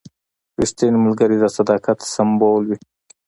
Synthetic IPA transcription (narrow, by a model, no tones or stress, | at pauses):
ɾist̪inmɪlɡaɾid̪asad̪ɑːkat̪samboːlwi